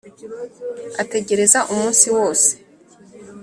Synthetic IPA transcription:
ate̞ɟe̞ɾe̞zaʔumuːnsiwo̞ːse̥

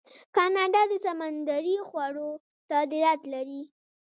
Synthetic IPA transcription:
kɑnɑɖɑd̪əsamand̪aɾixwaɽo | t̪ad̪ɪɾat̪laɾi

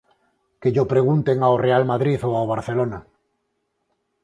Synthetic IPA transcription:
keʎopɾeɣ̞unt̪eŋaorealmaðɾiθoaoβ̞aɾθelona

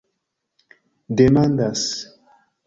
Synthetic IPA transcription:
demãnd̪as

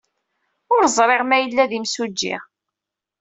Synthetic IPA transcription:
ʊɾzˤɾˤeʁmæjəlːæðimsud͡ʒːḭʁ

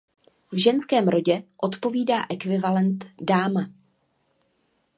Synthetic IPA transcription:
vʒɛnskɛːmɾo̞ɟɛʔo̞t̪po̞viːdaːʔɛkvɪvalɛnt̪daːma

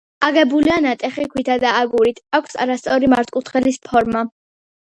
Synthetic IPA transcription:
aɡɛbulianat̪ʼɛχikʰwit̪ʰad̪aːɡuɾit̪ʰakʷʰsa̰ɾast̪sʼɔɾimaɾt̪ʼkʼut̪ʰχɛlispʰɔɾma

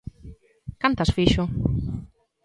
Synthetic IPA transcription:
kant̪asfiʃʊ

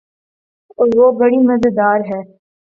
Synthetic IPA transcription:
ʋoːbɐɽimɐzəd̪aːɾɦɛː

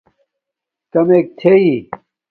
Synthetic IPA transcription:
k̪ɐmeːk̚t̪ʰei

